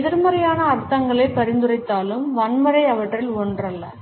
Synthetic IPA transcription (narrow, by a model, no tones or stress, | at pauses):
ðɪɾmɐɾɐjaːnɐːɾt̪ːɐŋɡɐɭɐɪpɐɾɪnd̪ɯrɐɪt̪ːaːlɯmʋɐɳmɐɾɐɪɐʋɐʈrɪlɔɳdrɐlːɐ̰